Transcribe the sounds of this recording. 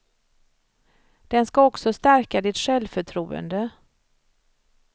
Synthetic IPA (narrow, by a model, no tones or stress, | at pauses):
d̪̥ɛnskaɔksɔst̪æɾkad̪ɪt̪ɧɛlvfœʈʰɾuːə̰nd̪ə